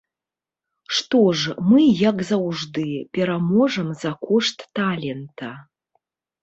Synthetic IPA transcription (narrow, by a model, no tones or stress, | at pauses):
ʂtoʐmɨjakʼzawʐdɨpʲeɾamoʐɐmzakʷuʂtːalʲentʰa